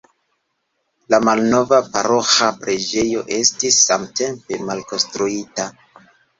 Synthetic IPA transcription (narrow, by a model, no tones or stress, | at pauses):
lamalno̞vapa̰ɾo̞xapɾe̞d͡ʒe̞jo̞̰ʔe̞stisːamte̞mpe̞malko̞nstɾuita